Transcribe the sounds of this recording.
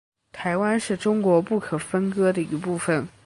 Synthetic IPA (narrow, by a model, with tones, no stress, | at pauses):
t̪ʰa˧˥ɪwa˥nʂɻ̩˥˩ʈ͡ʂʊ˥ŋkwɔ˧˥pu˥˩kʰɤ˨˩fə˥nkɤ˥d̪ə˨i˧˥pu˥˩fə˨˩n